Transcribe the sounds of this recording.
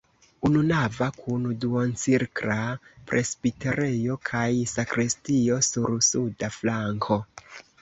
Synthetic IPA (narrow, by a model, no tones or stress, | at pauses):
ununavakʰunduont͡siɾkɾapɾʔe̞sbiteɾe̞jo̞kʰajsakɾistio̞suɾsudaflaŋkʰo̞